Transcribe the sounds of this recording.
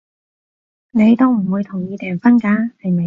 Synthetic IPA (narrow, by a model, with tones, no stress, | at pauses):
ne˨˧jt̪o˥wm̩˨˩wuː˨˧jt̪ʰʊ˨˩ŋjiː˧t̪ɛː˨˩ŋfɐ˥nkaː˨˧˥hɐ˨jmɐ˨